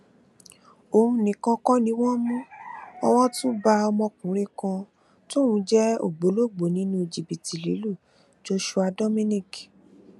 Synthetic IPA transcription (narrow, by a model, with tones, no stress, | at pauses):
o˨hũ˧nĩ˨kã˧kɔ˦nĩ˨˧˦wɔ˦mũ˦ɔ˧wɔ˦tũ˦ba˧ɔ˧mɔ̃˧kũ˨˦ɾ̃ẽ˧kã˧ | to˦ũ˧˦d͡ʒɛ˦o̰˦˨ɡ͡bo˨˦lo˦ɡ͡bo˨nĩ˦nũ˦˨d͡ʒi˨bi˨ti˨lḭ˨˦lu˦˨ | d͡ʒo˦ʃu˧a˧dɔ˦mĩ˦nĩ˦˨k